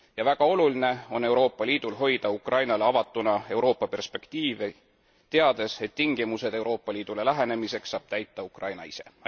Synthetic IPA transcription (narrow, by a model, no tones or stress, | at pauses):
jɑvæɡ̥ɑo̞luline̞o̞nːe̞wɾo̞ːpːˑɑliːd̪̥ulɦo̞jd̪̥ɑukrɑjnɑleɑvɑt̪ːˑunɑe̞wɾo̞ːpːˑɑpe̞rspe̞kt̪iːve | t̪e̞ɑd̪e̞se̞t̪ːiŋɡ̥imuse̞d̪̥e̞wɾʔo̞ːpˑːɑliːd̪̥ule̞læɦe̞ne̞mise̞ksːɑːb̥̚t̪æjt̪ːˑɑukrʔɑjnɑ̰ise̞